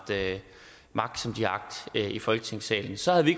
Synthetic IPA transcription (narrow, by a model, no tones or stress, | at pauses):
d̥ø | mɑ̈ɡ̥̚d̥sɒ̽md̥iɑ̈ɡ̥̚d̥ifɒ̽lɡ̥ət͡sʰe̝ŋ̰sɛ̰ːln̩sɒ̽hæðˠʋie̝ɡ